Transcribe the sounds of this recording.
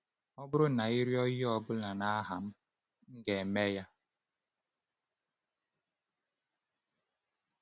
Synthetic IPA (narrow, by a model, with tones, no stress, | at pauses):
ɔ˦bʊ˦ɾʊ˦na˨i˦ɾjɔ˦ji˦ɔ˨bʊ˦la˨na˦a˦ɦa˨m̩˦ | ŋ̩˦ɡe˨me˦ja˦